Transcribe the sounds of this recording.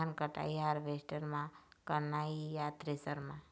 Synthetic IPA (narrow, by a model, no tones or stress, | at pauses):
ankəʈa̰jaɾʋesʈəɾmãkəɾnaijat̪ɾesəɾmã